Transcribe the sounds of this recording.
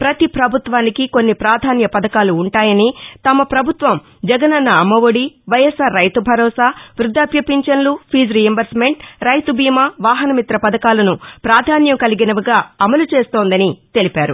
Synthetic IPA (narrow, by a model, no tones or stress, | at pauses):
pɾɐt̪ipɾɐbʱut̪ʋaːnikiko̞nːipɾaːd̪ʱaːnjɐpɐd̪ɐkaːluːɳʈaːjɐnit̪ɐmɐpɾɐbʱut̪ʋɐm | d͡ʒɛɡɐnɐnːɐːmɐʋoɽiʋɐjɐsaːɾːɐjt̪ubʱɐɾɔːsaːʋɾud̪ʱːaːpjɐpiɲt͡ʃɐnlupʰiːd͡ʒɾijɐmbɐɾsme̞ɳʈɾɐjt̪ubʱiːmɐʋaːɦɐnɐmit̪ɾɐpɐd̪ɐkaːlɐnupɾaːd̪ʱaːnjɐmkɐliɡinɐʋuɡaːɐmɐlut͡ʃeːst̪o̞ːnd̪ɐnit̪e̞lipaːɾu